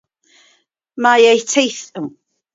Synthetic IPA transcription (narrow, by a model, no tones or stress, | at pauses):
majejtʰejθə